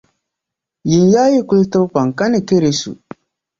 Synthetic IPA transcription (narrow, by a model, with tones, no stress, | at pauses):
jɪ˨njaː˦ji˦kʊ˦ltɨ˦pa˨ŋ˨ka˦nɪ˨ke˦ɾe˨sṵ˨